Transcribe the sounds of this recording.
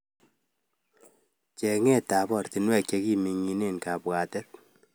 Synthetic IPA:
t͡ʃɛ˨ŋɛ˦˨ta˨pɔ˨rti˨nwɛ˨k̚t͡ʃe˧ki˦mi˨ŋːi˨ne˨nka˨pwa˨tɛ˦r

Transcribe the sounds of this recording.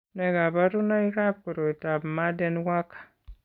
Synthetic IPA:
ne˨ɡa˨ba˦ɾu˦na˦i˦ɾa˦b̚ku˨ɾo˨i˨ta˨bma˦de˦nwa˦kḁ˨

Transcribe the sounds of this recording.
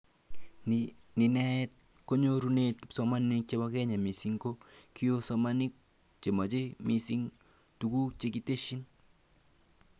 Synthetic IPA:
ni˨nɛ˦t̪̚ | ko˦ɲoɾunet̪̚sɔma˦nk̚t͡ʃe˦bakɛ˦ɲa˨mi˨siŋɡoki˦jo˦sɔmanik̚ | t͡ʃe˨ma˨t͡ʃe˦mi˨si˦ŋ | tuku˦t͡ʃe˦kite˦ʃi˦n

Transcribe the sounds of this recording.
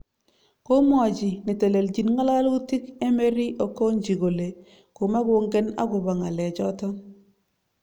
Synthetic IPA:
ko˦mɔ˨d͡ʒi˨ni˨te˨le˨ld͡ʒi˨nŋa˦la˦lu˦ti˦ke˦me˦ɾi˦ʔo˨ko˦ɲd͡ʒi˨ɡo˨le˨ | ko˨ma˦ɡo˦ŋɡe˦na̰˦ɡʊ˨ba˨ŋa˨lɛ˨d͡ʒɔ˦tɔ˦

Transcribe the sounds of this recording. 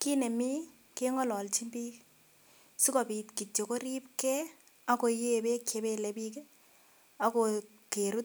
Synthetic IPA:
ki˦ne˨mi˦ | ke˦ŋɔ˦lɔ˨lt͡ʃi˦mbi˦k | su˦kɔ˨pi˨tki˨t͡ʃːo˨ko˦ɾi˦p̚kɛ˦ | a˦ko˨je˦be˦kje˨˦be˦le˨bi˦k | a˦ko˨ | ke˨ɾu˦t̚

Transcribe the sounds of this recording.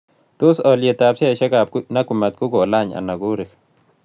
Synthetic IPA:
tu˦sɔ˨lje˨ta˨psi˦ɛ˨ʃɛ˦ka˨p̚kna˦ku˨ma˨t̪̚ku˦ɡɔ˨la˦˨ɲa̰˨na˨ku˦ɾɪ˨k

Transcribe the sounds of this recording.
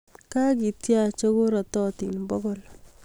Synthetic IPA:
ka˦ki˨tja˦t͡ʃo˦ko˦ɾa˨tɔ˦ti˨nbɔ˦ɡɔ˨l

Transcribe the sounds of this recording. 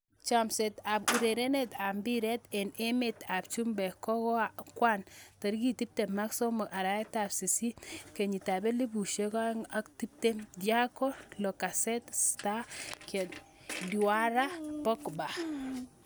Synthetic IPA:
t͡ʃa˨msɛ˨t̪a˨bu˨ɾe˨ɾe˦net̪a˨mbi˦ɾɛtɛ˨ne˦met̪a˨p̚t͡ʃu˦mbɛ˨kɔ˦kɔ˦akwa˦nta˨ɾki˦ti˦p̚te˨maksɔ˦mɔ˨a˨ɾa˦ɛ˦ta˨psi˨si˦ke˨ɲi˨ta˨bɛ˦li˦bu˨ʃe˦ka˦ŋa˦kti˦p̚temdjakɔ˦lɔ˨ka˨sɛtsta˦kɛt | di˨wa˦ɾa˦pɔ˦kba˨

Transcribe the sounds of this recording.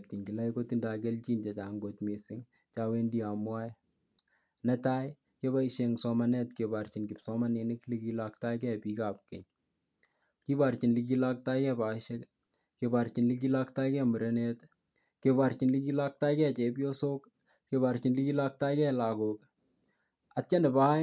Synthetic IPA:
p̚ti˨ŋɡi˨la˦jko˦ti˦nda˨ɡ̬ɛ˦lt͡ʃi˦nd͡ʒɐ˨t͡ʃa˨ŋɡo˨tmesɪ˦ŋ | t͡ʃawe˦ndi˦a˨mwa˦j | nɐ˦ta˦j | ke˦ba˦iʃeŋsɔmɐnɛ˦tkeba˨ɾt͡ʃi˨nkɪ˨psɔmɐ˦ne˨nɪklikilak̚ta˦kɛ˦pikapkɛ˨ɲ | ki˦ba˨ɾt͡ʃi˨nlik̬i˦la˦k̚ta˦jkɛ˦ba˨iʃe˦k | kebaɾt͡ʃi˨nlik̬ilakta˦jkɛmu˨ɾe˦net | keba˨ɾt͡ʃi˨nlik̬ila˦k̚ta˦jkɛ˦t͡ʃe˨bjo˦so˦k | keba˨ɾt͡ʃi˨nli˦ki˦la˦k̚ta˦jkɛ˦la˨kok | att͡ʃɐ˦ne˨baː˦

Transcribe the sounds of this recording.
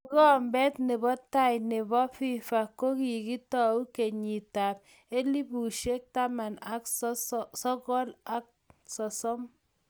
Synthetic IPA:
kɔ˦mbɛ˦tne˨bɔ˦ta˦jne˨bɔ˦fi˦fa˨ko˦ki˨ki˦tɔ˦u˦ke˨ɲi˨ta˨p̚ | e˦li˦bu˨ʃe˦k̚ta˦ma˨na˦k | sɔ˦kɔ˦la˦k̚sɔ˨sɔ˦m

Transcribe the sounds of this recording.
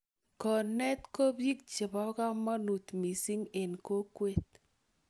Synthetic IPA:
kɔ˨nɛ˦t̪ko˦bji˦k̚t͡ʃɪ˨bɔ˦ka˦mɔ˦nu˨t̪mi˨si˦ŋe˨nko˦kwe˦t̪̚

